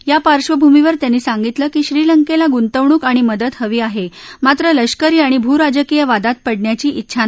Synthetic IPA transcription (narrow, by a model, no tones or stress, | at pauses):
japaɾɕʋəbʱumiʋəɾt̪janːiːsaŋɡit̪ləːkiːɕɾiːləŋkelaɡunt̪əʋɳ̃uːkaɽ̃iməd̪ət̪həʋiːaɦemat̪ɾələɕkəɾiːaɽ̃ibʱuɾad͡ʑəkijəʋad̪at̪̚pəɽɳjat͡ɕiːʔitːɕʰan